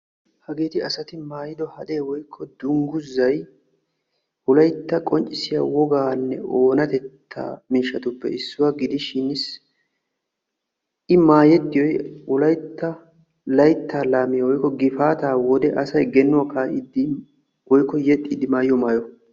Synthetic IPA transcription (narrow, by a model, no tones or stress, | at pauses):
hɐɡeːt̪ɪɐsɐt̪ɪmaːjɪd̪ɔhɐd̪e̞ːwɔjkʰːɔd̪ʊŋɡʊzːɐj | ʔʊlɐjt̪ːɐkʼɔnt͡ʃʼːɪsɪja̰ːwɔɡaːnːɛoːnɐt̪ɛt̪ʰːa̰ːmiːʃːɐt̪ʊpːɛ̰ɪsːʊwɐɡɪd̪ɪʃɪnɪs | ʔɪmaːjɛd̪ːɪjɔjʊlɐjt̪ːɐ | lɐjt̪ʰːaːlaːmɪjɐwɔjkːɔɡɪfaːt̪aːwɔd̪ɛʔɐsɐjɡɛnːʊwakaːʔɪd̪ɪ | wɔjkːɔjɛt̪ʼːiːd̪ɪmaːjɪjɔmaːjɔ